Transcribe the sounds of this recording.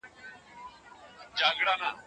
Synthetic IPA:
d͡ʒaːɡɽaːnaː

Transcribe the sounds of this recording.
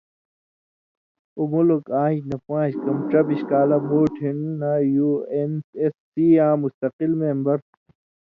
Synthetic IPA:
umulokãːĩɕnɐpãːɕkɐmʈ͡ʂɐbiɕkaːlɐmuːʈʰinːɐjuːensesːiːãːmust̪ɐqilmeːmbɐɾ

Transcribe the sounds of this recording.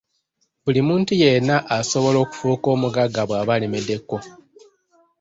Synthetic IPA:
bulimuːntuje̞naʔaso̞βo̞lo̞ːku̥fuko̞ːmuɡaɡaβwaːβalimede̞kːo̞

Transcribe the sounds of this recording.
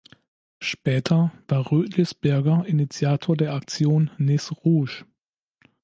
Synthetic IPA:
ʃpɛːtʰɐv̥aːɐʁøːtʰlɪsb̥ɛɐɡɐʔɪnit͡sjaːtʰoːɐdeːɐak̚t͡sjoːnːɪsʁuːʃ

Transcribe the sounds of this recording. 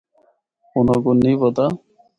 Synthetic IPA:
unɔɡunːibɔt̪a

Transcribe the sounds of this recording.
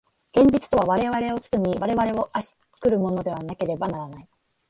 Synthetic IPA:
ɡ̥ẽ̞ɲ̟d͡ʑit͡sɨ̥t̪o̞β̞aβaɾe̞βaɾe̞o̞t͡sɨ̥tɨmʲiβaɾe̞βaɾe̞o̞ʔaɕi̥ | kɯ̟ɾɯ̟mo̞no̞d̪e̞βanake̞ɾe̞banaɾanai

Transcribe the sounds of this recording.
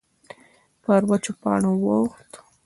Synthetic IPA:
pəɾwat͡ʃopɑ̰ɳowoxt̪

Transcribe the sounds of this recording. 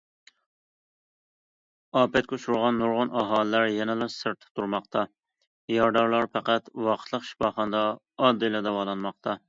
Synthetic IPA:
ɑːpɛt̪̚kʲʰoʃuɾʁɑnːuɾʁʊnɑɦɑːllæɾjɛnɛlˠɑsɨɾt̪ʰɪ̥t̪ʰuɾmɑqt̪ʰɑ | jɑɾd̪ɑɾlˠɑɾpæqæt̪wɑqʰə̥t̪ʰlˠəqʃi̥fɑːχɑnɨd̪ɑː | d̪ːɨlˠɛd̪ɑwɑlˠɑnmɑqt̪ʰɑ

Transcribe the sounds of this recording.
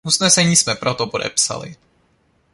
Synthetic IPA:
ʔusnɛsɛɲiːsmɛpɾʔot̪opodɛ̰psa̰lɪ̰

